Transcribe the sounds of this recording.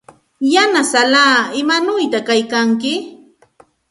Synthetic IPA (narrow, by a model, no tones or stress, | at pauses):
janasalaːɪmanʊjt̪akajkaŋkɪ